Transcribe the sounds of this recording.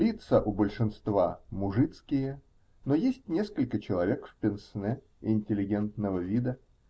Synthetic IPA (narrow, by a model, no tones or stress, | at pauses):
lʲit̪səʔʊbəlʲʂɨnst̪vamʊʐɨt̪skʲɪjə | nojesʲtʲnʲeskəlʲkət͡ɕɪlˠɐvʲekfʲpʲɪnsnɛ | ɪnʲtʲɪlʲɪɡʲe̞nt̪nəvəvʲid̪ə